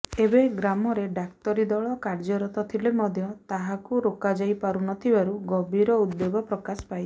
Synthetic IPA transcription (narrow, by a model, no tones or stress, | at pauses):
ebeɡɾamɔɾeɖak̚t̪ɔɾid̪ɔɭɔkaɾd͡ʒɔɾɔt̪ɔt̪ʰilemɔd̪ʱjɔt̪aɦakuɾokad͡ʒajpaɾunɔt̪ʰibaɾuɡɔbʱiɾɔud̪̚boɡɔpɾɔkasɔ̥paj